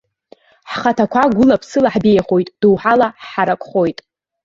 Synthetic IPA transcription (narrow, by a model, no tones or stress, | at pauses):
ħχatʰakʷʰaɡʷʊlapʰsɨlaħbejaχo̞jtʼd̥uwħalaħaɾakʷʼχo̞jtʼ